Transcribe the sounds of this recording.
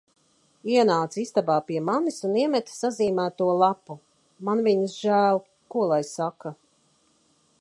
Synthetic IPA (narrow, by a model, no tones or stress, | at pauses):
iɛnaːt̪sist̪abaːpiɛmanisuniɛmɛt̪saziːmæːt̪uɔlˠapu | manviɲisʒæːlˠ | kuɔlˠajsaka